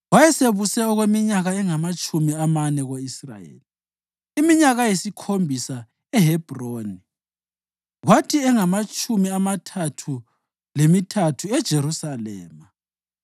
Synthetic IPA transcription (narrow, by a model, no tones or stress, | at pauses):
wajɛseβusɛɔɣwemiɲaɣaɛŋamat͡ʃʼumiamanɛɣoisra̰jḛːli | imiɲaɣajesikʰombʱisa | ɛɦɛb̥ʱroːni | ɣwatʰiɛŋamat͡ʃʼumiamatʰatʰu | lemitʰatʰuɛd̥ʒ̥ʱeɾusalɛ̰ːma